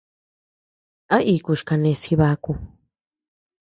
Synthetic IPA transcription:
a˦ʔi˧˨ku˧ʃka˧nẽ˧si˧βa˧ku˧

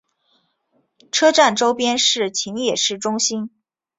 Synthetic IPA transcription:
ʈ͡ʂʰɤ˥ʈ͡ʂa˥˩nʈ͡ʂo˥ʊpjɛ˥nʂɻ̩˥˩t͡ɕʰi˧˥ŋjɛ˨˩ʂɻ̩˥˩ʈ͡ʂʊ˥ŋɕi˥n

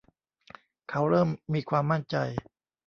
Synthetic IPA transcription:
kʰa˦˥wɾɤː˥˩mːiː˧kʰwaː˧mːa˥˩nt͡ɕa̰˧j

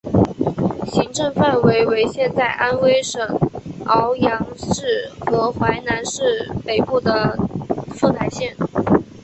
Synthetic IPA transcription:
ɕi˧˥ŋʈ͡ʂɤ˥˧ŋfa˥˩nwe˧˥ɪwe˧˥ɪɕjɛ˥˧nt͡sa˥˩ɪʔa˥nwe˥ɪʂɤ˨˩ŋɑ˧˥ʊjɑ˧˥ŋʂɻ̩˥˩xɤ˧˥xwa˧˥ɪna˧˥nʂɻ̩˥˩pe˨˩ɪpu˥˩d̪ə˩ | fu˥˩t̪ʰa˨˩ɪɕjɛ˥˩n

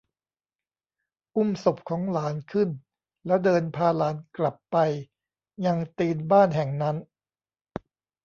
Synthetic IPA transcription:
ʔu˥˩mso˨˩p̚kʰɔː˩˦ŋlaː˩˦˥nkʰɯ˥˩n | lɛː˦˥wdɤː˧npʰaː˧laː˩˦˥nkla˨˩pːa˧j | ɲa˧ŋt̪iː˧nbaː˥˩nɦɛ˨˩ŋna˦˥n

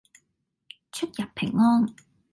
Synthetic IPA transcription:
t͡ʃʰɵ˥t̚jɐ˨pʰɪ̰˨˩ŋːɔː˥n

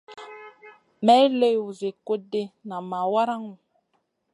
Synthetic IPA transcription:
mɛ˦le˦˨wu˨ze˨ko˦de˦na˨ma˨wa˦ɾa˦ŋu˨

